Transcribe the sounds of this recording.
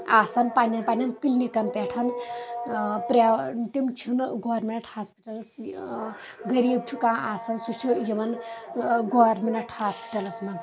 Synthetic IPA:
aːsɐnpanɐnpanʲɐnpilnikɐnpeʈʰɐn | pɾant̪imt͡ʃʰunɡoɾmenʈʰhaːspiʈɐls | ɡəɾib̚t͡ʃʰukãːaːsɐnsut͡ʃʰujemɐn | ɡoɾmenɐʈʰhaspi̥ʈɐlɐsmɐd͡z

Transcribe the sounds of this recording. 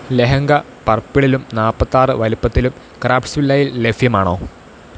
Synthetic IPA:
leɦɐŋɡɐ | pɐrpːiɭilumnaːpːɐt̪ːaːrɨʋɐlupːɐt̪ːilum | kraːpsʋilːɐjilːefjɐmaːɳo̞ː

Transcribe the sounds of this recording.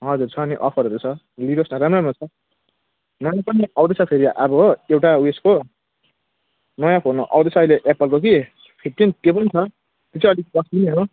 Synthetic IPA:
ɦʌd͡zurt͡sʰʌːniʔʌ̰pʰʌɾʌɾut͡sʰʌ | liɾosnʌɾamramot͡sʰʌ | nʌjãpʌniʌwd̪et͡sʰʌpʰeɾiʔbʌewʈauesko | nʌjãpʰonoʔʌ̰wd̪et͡sʰʌːjleʔepʌlkok̬i | pʰipʈint̪jepʌnit͡sʰʌ | t̪et͡sʰʌʌlikbʌsiniɦo

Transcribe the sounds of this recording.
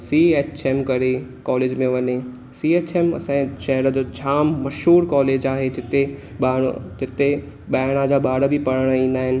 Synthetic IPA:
siːeːt͡ɕʰeːmkɐɾekɔːleːd͡ʑmẽʋɐɲe | siːeːt͡ɕeːmɐ̰sãʃɐɦəɾə̆d͡ʑoːt͡ɕʰaːmːɐʃɦuːɾkɔːleːd͡ʑaːɦed͡ʑɪt̪e | ɓã̰d͡ʑɪt̪e | ɓaːɪɽ̃ãd͡ʑaːɓaːɽəbʱipɐɽəɽ̃əĩːn̆d̪aːɦɪnɪ̆

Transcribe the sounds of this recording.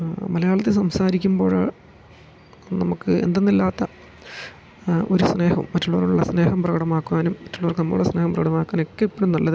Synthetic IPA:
mɐlɐjaːɭɐt̪ːesɐmsaːɾikʲːumbo̞ːɻa̰ː | nɐmukːɨḛnd̪enːilːaːt̪ːɐ | o̞ɾusne̞ːhɐmːɐtːuɭːoːruɭːɐsne̞ːhɐmprɐɣɐɽɐmaːkːuaːnumːɐtːuɭːoːrkɨnɐmːɐ̰uɭːɐsne̞ːhɐmprɐɣɐɽɐmaːkːaːno̞kːeipːoːɽumnɐɭːɐðɨ

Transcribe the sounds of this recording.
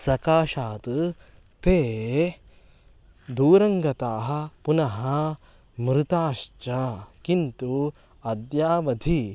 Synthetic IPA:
sɐkaːʃaːt̪ | t̪eː | d̪uːɾɐŋɡɐt̪aːɦɐ̆punɐɦɐ̆ | mɾut̪aːʃt͡ʃɐkint̪u | ɐd̪jaːʋɐd̪ʱi

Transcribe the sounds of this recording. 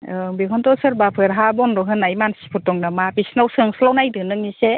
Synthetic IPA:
ɯbikʰɔntɔsɯɾbapʰɯɾɦabɔnɾɔɦɯnːajmansi̥pʰɯtɔŋnamabisnawsɯŋslawnajdɯnɯŋnise

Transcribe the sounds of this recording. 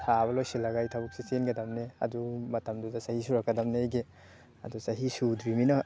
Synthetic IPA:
sʰaβɐlojsilaɡajtʰabuk̚sisenɡɐdamneɐ̰dumɐtamdudasahisuɾakːadamnejɡe | ɐ̰dusaɦisudɾiminɐ

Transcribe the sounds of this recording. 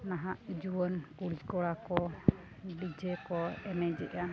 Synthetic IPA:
naɦaʔd͡ʒuwənkuɽikɔɽakɔ | bid͡ʒɛkɔɛnɛd͡ʒɛʔa

